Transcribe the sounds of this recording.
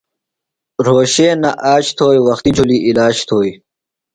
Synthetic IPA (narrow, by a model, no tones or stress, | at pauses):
ɾoːɕeːnɐʔaːɕt̪ʰoːjwɐxt̪id͡ʑʰuliʔilaːɕt̪ʰoːj